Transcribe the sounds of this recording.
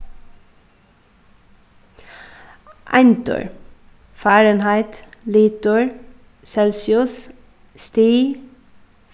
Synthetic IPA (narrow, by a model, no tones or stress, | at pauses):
ʔænt̪ʉ̰ɹ | fæːɹənhæɪt̪liːt̪ʉɹ | sɛlsɪʊs | st̪iː